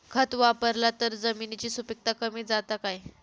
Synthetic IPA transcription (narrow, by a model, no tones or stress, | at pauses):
kʰət̪ʋapəɾlat̪əɾd͡zəminit͡ɕiːsupik̚t̪akəmiːd͡zat̪akaj